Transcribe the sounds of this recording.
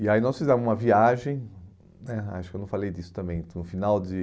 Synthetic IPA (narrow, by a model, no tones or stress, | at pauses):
iainɔsfizɛ̃mʊzũmɐviaʒẽj̃ | nɛa̰ʃʊkewnɐ̃w̃falejdisʊ̥t̪ɐ̃mbẽj̃ʊ̃finawd͡ʒɪ